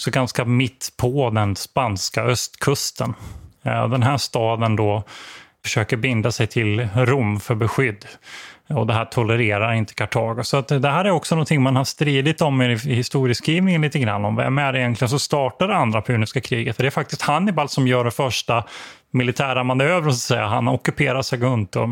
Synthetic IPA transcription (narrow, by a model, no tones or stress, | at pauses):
ksɔɡanskamɪt̪ːpʰɔd̪ɛnspanskaœst̪kʰɵst̪ən̰ | d̪ɛnɦæːʂt̪ɑːd̪ənd̪ɔfœ̥ʂøːkəɾbɪnd̪asɛjt̪ʰɪlɾʊmːfœɾbɛɧʏd̪ːɔd̪ɛɦæːʈʰɔləɾeːɾaɾɪnt̪ə̥kʰaʈʰɑːɡʊsɔat̪d̪ɛɦæːɾæɾɔksɔnɔnt̪ʰɪŋːmanhaʂt̪ɾiːd̪ɪt̪ɔmːhɪst̪uːɾɪəskɾiːvnɪŋənliːt̪əɡɾa̰nːɔmvɛ̰mæɖɪjɛnt̪ʰlɪɡənsɔmst̪ɑːʈaɖɛand̪ɾapʰʉːnɪskakʰɾiːɡət̪fɔd̪ɛæɾfak̚t̪ɪst̪hanːɪbalsɔmjœːɖɛfœʂʈa | mɪlɪt̪ʰæːɾamanøːvɾəsat̪sɛjːa̰ɦanɔkːɵpʰeːɾaʂɛɡɵnt̪ɔ̰